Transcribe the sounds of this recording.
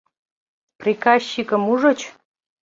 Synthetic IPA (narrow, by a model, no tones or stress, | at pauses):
prʲikɑɕːikə̆muʒə̆t͡ɕ